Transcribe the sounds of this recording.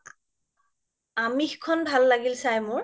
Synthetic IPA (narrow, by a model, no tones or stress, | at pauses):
amixkʰɔnbʱalːaɡilsajmʊɹ